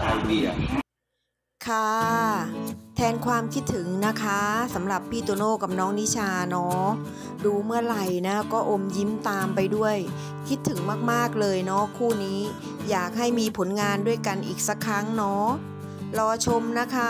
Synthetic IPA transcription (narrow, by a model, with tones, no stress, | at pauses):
i˧˩ɐ | kʰa˥˩ | t̪ʰɛː˧nkʰwaː˧mkʰi˦˥t̪ʰːɯ˩˦ŋna˦˥kʰa˦˥sa˩˦mɾa˨˩pʰːiː˥˩t̪u˧noː˥˩ka˨˩p̚nɔː˦˥ŋni˦˥t͡ɕʰaː˧nɔː˦˥ | duː˧mɯ˥˩ɐɾa˧˩jna˦˥kɔː˥˩ʔo˧mji˦˥mt̪aː˧mpa˧jdu˥˩əj | kʰi˦˥t̪ʰːɯ˩˦ŋmaː˥˩k̚maː˥˩k̚lɤː˧jnɔ˦˥kʰuː˥˩niː˦˥ | jaː˨˩k̚ɦa˥˩jmiː˧pʰo˩˦nŋaː˧ndu˥˩əjka˧nʔiː˨˩k̚sa˦˥kʰːɾa˦˥ŋnɔː˦˥ | lɔː˧t͡ɕʰo˧mna˦˥kʰa˦˥